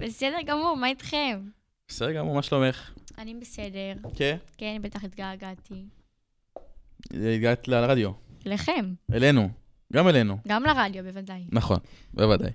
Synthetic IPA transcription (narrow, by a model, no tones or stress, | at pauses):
besedeʁɡamuʁmait̪χem | besedɡamumaʃlomeχanibesedeʁkekenbet̪aχit̪ɡaːɡat̪i | it̪̚ɡat̪leʁad̪jo̞eleχemelenu | ɡamelenuɡamleʁad̪jobevadajnaχo̞̰nbevad̪a̰j